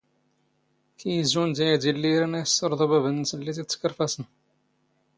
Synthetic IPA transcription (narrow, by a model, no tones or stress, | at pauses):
kʰijəzund̪æjæd̪ilːiɾænæjəsːəɾˤðˤobæbənːəsəlːit̪̬it̪skːəɾfæsən